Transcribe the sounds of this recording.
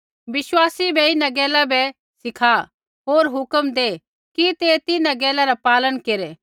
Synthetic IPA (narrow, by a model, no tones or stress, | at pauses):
ʋɪswaːsibʱɛɪnãɡɛːlabɛ | sɪkʰa | ɦoːɾɦʊkəmd̪eː | kit̪et̪ɪnãɡɛːlaɾapaːlənkeːɾɛː